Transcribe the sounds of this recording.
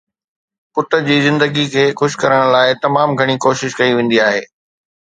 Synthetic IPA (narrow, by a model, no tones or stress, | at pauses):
pʊt̪əd͡ʑiːzɪ̃nd̪əɡikʰeːxʊʃkɐɾəɽ̃laːɪt̪ɐmaːmɡʱɐɽ̃ikoːʃɪʃkɐiʋẽːn̆d̪iaːɦeː